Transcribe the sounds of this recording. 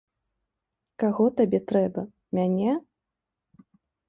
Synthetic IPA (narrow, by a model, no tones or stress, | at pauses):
kaɣɔt̪abʲɛt̪ɾɛbɐ | mʲanʲɛ